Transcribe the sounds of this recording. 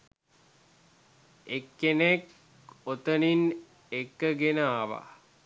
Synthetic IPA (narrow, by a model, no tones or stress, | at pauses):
ekːenek | ot̪ənin | ekːəɡenəaʋa̰